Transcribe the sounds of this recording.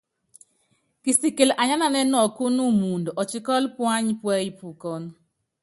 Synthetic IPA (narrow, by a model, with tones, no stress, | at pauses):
ki˨si˨ke˨la˨ɲa˦na˨nɛ˦nɔ˨ko˦nu˦mu˨ndʔɔ˨t͡ʃɪ˦kɔ˦lpwa˦ɲpwɛ˦i˦˨pu˨kɔ˦n